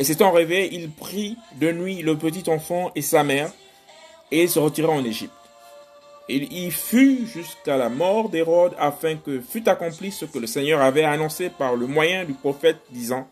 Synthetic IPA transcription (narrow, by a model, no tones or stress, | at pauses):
eset̪ɑ̃ʁeveʔilpχid̪ənɥiləpət̪̬it̪ɑ̃fɑ̃ʔesamɛʁ | eilsəʁət̪iʁaɑ̃neʒḭp̚t̪ | iilfyʒyskalamɔʁd̪eʁɔd̪afɛ̃kəfyt̪akɔ̃plisəkələsɛɲœʁavɛanɔ̃sepaʁləmwajɛ̃d̪ypχɔfɛt̪̚d̪izɑ̃